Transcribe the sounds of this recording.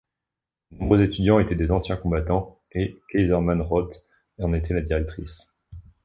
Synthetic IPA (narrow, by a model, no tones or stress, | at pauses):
d̪nɔ̃bʁøzet̪yd̪jɑ̃et̪ɛd̪ezɑ̃sjɛ̃kɔ̃bat̪ɑ̃ | ekɛjzɛʁmanʁɔt̪ | ɑ̃net̪ʰɛlad̪iʁɛk̚t̪χis